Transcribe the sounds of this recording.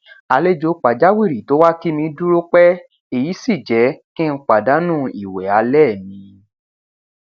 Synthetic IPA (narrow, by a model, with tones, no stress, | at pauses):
a˧le˦d͡ʒo˨˧˦k͡pa˨d͡ʒa˦wi˦˨ɾi˨to˨˦wa˦ki˦mĩ˧du˦ɾo˦k͡pɛ˦ | e˨ji˨˦si˦˨d͡ʒɛ˨˦kĩ˦n̩˧˦k͡pa˨da˨˦nũ˦i˨wɛ˨a˨˦lɛː˦˨mĩ˨˧